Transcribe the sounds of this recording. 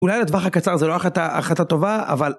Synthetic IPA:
ulajlad̪vaχakat͡saʁzeloaχat̪aʔa̰χat̪at̪o̞vaa̰val

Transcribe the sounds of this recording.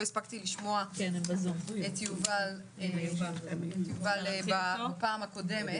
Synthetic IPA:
ispakt̪iliʃmoakenembazonet̪juval | eaetjuvalbapaːmhakodeme

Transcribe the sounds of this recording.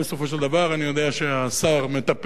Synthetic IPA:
beso̞fo̞ʃeld̪avaʁanijo̞d̪e̞aʃeasaʁme̞t̪ap

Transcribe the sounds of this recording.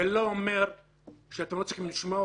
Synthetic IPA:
eloomeʁ | ʃeat̪emlot͡siximliʃma

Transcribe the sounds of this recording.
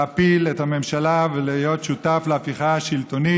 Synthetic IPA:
apilethame̞mʃalavelijo̞tʃutafleafiχaaʃilt̪o̞ni

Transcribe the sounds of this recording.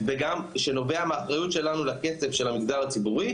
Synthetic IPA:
veɡamʃeno̞ve̞ameaχʁajutʃe̞lanulake̞t͡sevʃe̞lhamiɡd̪aʁat͡sibuʁi

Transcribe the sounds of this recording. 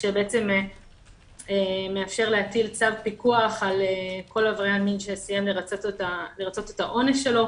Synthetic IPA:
ʃebeet͡se̞me | eme̞afʃe̞ʁleatilt͡savpikuaχaleko̞lavʁealminʃesijamleʁat͡sot̪taleʁat͡so̞t̪etaʔo̞nesʃe̞lo̞

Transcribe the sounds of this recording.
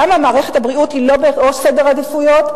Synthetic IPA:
amamaːʁeχethabʁiuthilo̞beosedeʁad̪ifujo̞t

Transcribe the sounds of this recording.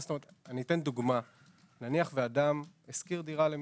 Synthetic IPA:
stomeetanit̪e̞nd̪uɡma | naniaχvead̪ameskiʁd̪iʁalem

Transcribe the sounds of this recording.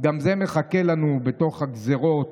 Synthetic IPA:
ɡamzeme̞χakelanube̞to̞χhaɡzeʁo̞t

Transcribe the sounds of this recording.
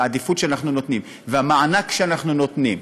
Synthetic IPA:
ad̪ifutʃeanaχnuno̞t̪nim | veamaanakʃeanaχnuno̞t̪nim

